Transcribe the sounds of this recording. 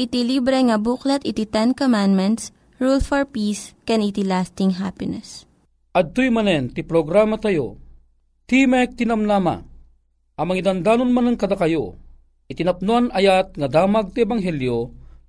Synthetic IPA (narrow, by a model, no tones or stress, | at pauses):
ʔɪt̪ilibɾɛŋɐbuklɐt̪ʔɪt̪it̪ɛnkomand̪mɛnt̪s | ɹulfɔɹpiːskɛnit̪ilast̪ɪŋɦapɪnɛs | ʔɐd̪̚t̪ojmɐnɛnt̪ipɾoɡɾaːmɐt̪ɐjo̰ | t̪imɛk̚t̪inɐmlaːma̰ | ʔɐmɐŋid̪ɐnd̪aːnonmanɐŋkɐd̪akɐjo | ʔɪt̪inɐp̚nuanɐjat̪̚ŋɐd̪aːmɐɡ̚t̪iɛbaŋɦɛljo